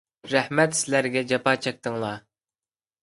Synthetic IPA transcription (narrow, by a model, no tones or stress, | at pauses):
ɾæhmɛt̪sɪlæɾɡʲɛd͡ʒɑpɑːt͡ʃʰɛk̚ʲt̪ɨŋlˠɑ